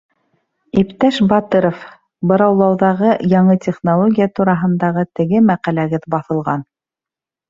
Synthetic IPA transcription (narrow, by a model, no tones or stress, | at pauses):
ipt̪æʃbɑt̪ɤɾof | bɤ̆ɾɑwlˠɑwðɑʁɤjɑɴɤt̪ʲeχnolˠoɡʲijat̪uɾɑɦɤ̆nd̪ɑʁɤt̪ɘ̆ɡɘmæqælæɡɘðbɑθɤ̆lˠʁɑn